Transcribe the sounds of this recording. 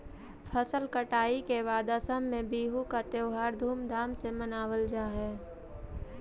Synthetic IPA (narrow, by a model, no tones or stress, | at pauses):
pʰəsəlkəʈaːikeʋaːd̪aːsəmːẽbiːɦukat̪eʊɦaːɾd̪ʱuːmd̪ʱaːmsemənaːwəld͡ʒaːɦɛː